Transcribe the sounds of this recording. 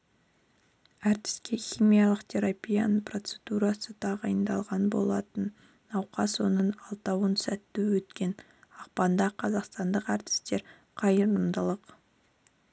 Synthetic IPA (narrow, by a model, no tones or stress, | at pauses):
æɾt̪ɪ̥skʲe̞xʲijmʲijɑlˠəqt̪ʲʰe̞ɾapʲija̰nəpro̞t̪sed̪uɾɑsət̪ʰɑʁɑjənd̪ɑlˠʁɑnbo̞̰lˠɑt̪ənː | ɑwqɑswo̞nəɴɑlˠt̪ɑwənsæt̪ːuwɵt̪kʲe̞n | ɑqpɑnd̪ɑqʰɑzɑqst̪ɑnd̪əqæɾt̪ɪ̥st̪e̞ɾ | qʰɑjəɾəmd̪əlˠəq